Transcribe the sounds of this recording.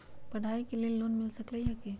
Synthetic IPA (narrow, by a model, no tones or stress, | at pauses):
pɐɽ̤ʱaikelieloːnmɪlsəkləɦake